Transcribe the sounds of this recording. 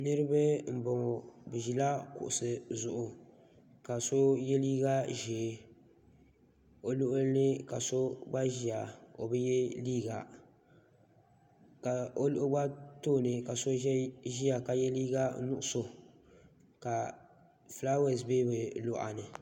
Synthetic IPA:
nɨ˦ɾɨ˦bɨ˦m̩˨bɔ˨ŋɔ˨bɨ˨ʒi˨la˦kʊ̰˨ʔʊ˨sɨ˨zʊ˨ʔʊ˨ | ka˨so˦jɛ˦liː˦ɡa˦ʒeː˨˦ | o˨˦lʊ˦ʔʊ˦lnɨ˦ka˨so˦ba˦ʒi˦a˨o̰˨bɨ˦jɛ˦liː˦ɡa̰˨ | ka˨o˦lʊ˦ʔʊ˦ba˦toː˦˨nɨ˨ka˨so˦ɛ˦ʒi˦a˨ka˨jɛ˦liː˦ɡa˦nʊ˦˨ʔʊ˨so˨ | ka˨ | fla˦we˨zbeː˦bɨ˨lʊ˨ʔa̰˨nɨ˨

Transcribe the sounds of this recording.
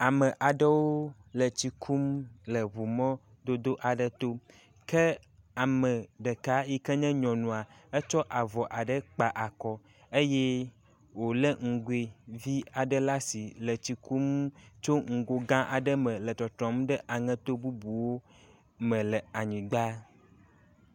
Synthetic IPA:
a˨mə˨ʔa˨ɖə˦wo˦lə˨t͡ɕi˨kʰu˦mlə˨βu˨mɔ̃˦ | d̪o˦d̪o˦ʔa˨ɖə˦t̪o˦ | kə˦ | a˨mə̃˨ɖə˨ka˦ji˦kə˦ɲɛ̃˦ɲɔ̃˨nũ˨a˨ə˦t͡ʃɔ˦ʔa˨vɔ˨ʔa˨ɖə˦k͡pa˨ʔa˨kɔ˦ | ə˦jɛ˦ | wo˨lə˦ŋ̩˨ɡu˦e˨vi˦a˨ɖə˦la˦si˨lə˨t͡ɕi˨kʰu˦mt͡ʃo˦ŋ̩˨ɡo˦ɡã˦ʔa̰˨ɖə˦mə̃˨lə˨t̪ɔ˨t̪ɾɔ̃˨˦mɖə˦ʔa˨ŋɛ̃˦t̪o˦bu˦bu˨wo˦ | mə̃˨lə˨a˨ɲĩ˨ɡ͡ba˦

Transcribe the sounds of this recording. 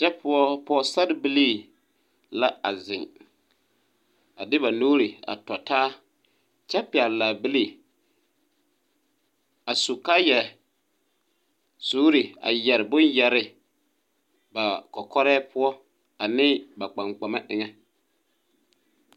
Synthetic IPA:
t͡ʃɛ˦pʰʊ˦ɔ˦pɔ˦sa˦dbɪ˦liː˦ | la˦a̰˨zɪ˨ŋ | a˨dɪ˦ba˨noː˦ɾi˨a̰˨tɔ˨taː˦ | t͡ʃɛ˦pɪ˨a˨lla˨bɪ˦li˦˨ | a˨su˨ka˦jɛ˨ | su˦ɾi˨a̰˨jɛ˨ɾɪ˨bʊ˦njɛ˨ɾɪ˨ | ba˨kɔ˨kɔ˦ɾɛː˦pʰʊ˦ɔ˦ | a˨nɪː˦ba˨k͡pa˨ŋk͡pa˨ma˦ʔɪ˨ŋɛ˦

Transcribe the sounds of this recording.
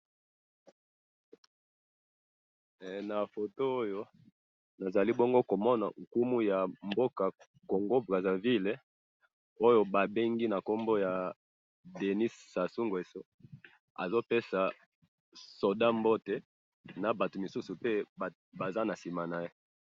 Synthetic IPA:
na˨fo˨to˦o˦jo˦ | na˨za˨li˦bo˦ŋɡo˦ko˨mɔ˦na̰˨ŋ˨ku˦mu˦ja˨mbo˦ka˨ | ko˨ŋɡo˦bʁa˨za˨vi˦le˨ | o˦jo˦ba˨be˦ŋɡi˦na˨ko˦mbo˦ja˨ | de˨ni˦ssa˨su˦ŋɡe˨so˦ | a̰˨zo˦pe˦sa˨ | so˨da˦mbo˦te˨ | na˨ba˨to˨mi˨su˦su˨pe˦ | ba˨za˦na˨si˨ma˨na˨je˦

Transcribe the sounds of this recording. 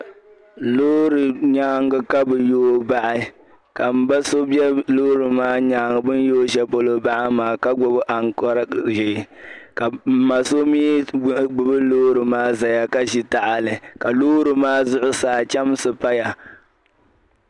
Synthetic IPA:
loː˦ɾɨ˨ɲaː˦ŋ˦ɡɨ˦ka˦bɨ˨joː˦ba˦ʔɪ˦ | ka˨m̩˨ba˦so˦bɛ˦loː˦ɾɨ˨maː˦ɲaː˨˦ŋ˨bɨ˦n˦joː˦ʒɛ˦po˦lo˦ba˦ʔɪ˦maː˨ka˦ɡ͡bo˨bɨ˦ʔa˨ŋkɔ˦ɾʒɪ˨ka˨˦ma˨so˦mi˦ɡ͡bɨ˨bɨ˦loː˦ɾɨ˨maː˦za˨ja˨ka˦ʒi˦ta˨ʔa˨lɨ˨ka˨loː˦ɾɨ˨maː˦zʊ˦ʔʊ˦saː˨t͡ʃɛ˦m˦sɨ˨pa˦ja˨

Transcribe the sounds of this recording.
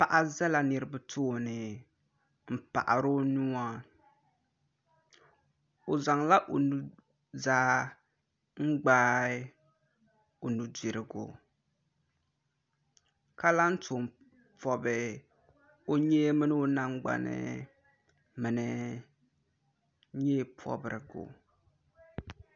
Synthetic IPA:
pa˨ʔa˦zɛ˦la˦nɨ˨ɾɨ˨˦bɨ˦tʰo˦˨nɨ˨ | m̩˨pa̰˨ʔa̰˨ɾo˦nu˦ŋa˦ | o˨za˨ŋla˦ʔo˨nu˨ | zaː˦ | ŋ̩˦ɡ͡baː˦ | o˨nu˨di˨ɾɪ˨ɡo̰˨ | ka˦la˦n̩˦tʊ˨m | pɔ˨bɨ˨ | o˦ɲɛ˦mɨ˦nɨ˦o˦na˦ŋɡ͡ba̰˨nɪ̰˦ | mɨ˨nɪ˨ | ɲɛ˦pʰɔ̰˦bɨ˨ɾɨ˨ɡo̰˨

